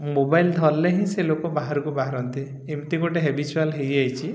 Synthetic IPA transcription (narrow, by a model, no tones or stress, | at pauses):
mobajld̪ʱɔlːeɦĩselokɔbaɦaɾɔkubaɦaɾɔnt̪i | emt̪ikoʈeɦebit͡ʃualɦejajt͡ʃʰi